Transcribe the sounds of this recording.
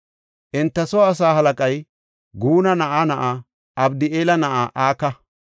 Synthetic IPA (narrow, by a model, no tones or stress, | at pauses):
ʔɪnt̪ːɐsɔwːsaːɦɐlɐkʼɐj | ɡuːnɐnɐʔaːnɐʔaː | ʔɐbd̪ɪeːlɐnɐʔaːʔaːkɐ